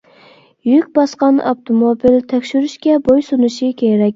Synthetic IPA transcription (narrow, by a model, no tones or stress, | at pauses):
jykʲbɑsqɑnɑ̰pt̪ʰomobilt̪ʰɛkʲʃyɾyʃkʲɛbojsunɨʃikʲʰeɾɛkʲ